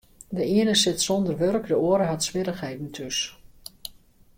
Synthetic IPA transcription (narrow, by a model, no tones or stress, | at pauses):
dəiənəsɪtsɔndərʋørkdəoəɾəɦatsʋɪɾəχɦɛjdn̩tʰøs